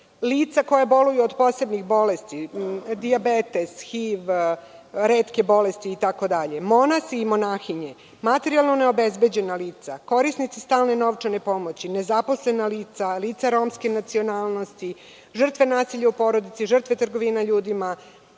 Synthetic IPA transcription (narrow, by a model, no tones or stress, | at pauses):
liːt̪sakojabo̞lujuod̪po̞se̞bnixbo̞lest̪id̪iabet̪e̞sxiːʋ | ɾeːt̪ke̞bo̞lest̪iːt̪ako̞d̪aʎe̞mo̞nasːmo̞naːxiɲe̞ | mat̪eɾialˠnone̞o̞be̞zbe̞d͡ʑe̞naliːt̪sako̞ɾisnit̪sist̪aːlne̞no̞ʋt͡ʂane̞po̞mot͡ɕine̞zapo̞sle̞naliːt̪saliːt̪saɾo̞mskenat̪sio̞naːlˠno̞st̪i | ʒr̩t̪ʋe̞naːsiʎaupo̞ːɾo̞d̪it̪siʐr̩t̪ʋe̞t̪r̩ɡo̞ʋinaʎuːd̪ima